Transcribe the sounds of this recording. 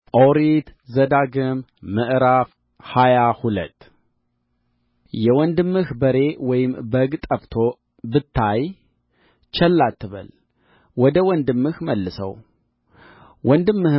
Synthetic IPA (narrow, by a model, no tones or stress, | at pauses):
oɾit̪zəd̪aɡɨmːɨʔɾaf | hajahulət̪ː | jɛwɔnd̪ɨmːɨhbəɾe̞wɔjɪmbəɡt̪ʼəft̪ʰo | bɨt̪ʰːaj | t͡ʃʰɛlːat̪ːɨβə̰l | wɔd̪əwɔnd̪ɨmːɨhməlːɨsə̰w | wɔnd̪ɨmːɨh